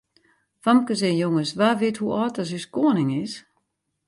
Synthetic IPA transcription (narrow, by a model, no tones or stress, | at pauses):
famkəsɛjoŋəsʋaʋɪəthuɔːt̚ɔs̬yskoənɪŋɪs